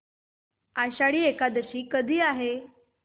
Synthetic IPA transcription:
aɕaɭiːekad̪əɕiːkəd̪ʱiːaɦe

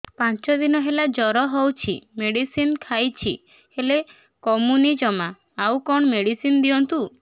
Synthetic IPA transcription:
pãnt͡ʃɔd̪inɔɦelad͡ʒɔɾɔɦɔwt͡ʃʰḭmeɽisinkʰajt͡ʃʰḭ | hele | kɔmunid͡ʒɔmaː | wkɔɳ̃ɔmeɽisind̪iɔnt̪u

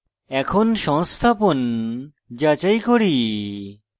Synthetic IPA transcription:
ɛkʰonʃɔŋst̪ʰapon | d͡ʑat͡ɕajkoɾi

